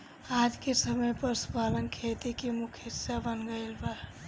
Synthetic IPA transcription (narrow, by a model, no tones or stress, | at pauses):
aːd͡ʒkesəməjpəɾspalənkʰet̪ikimʊkʰɪsabənɡəɪlbaɾ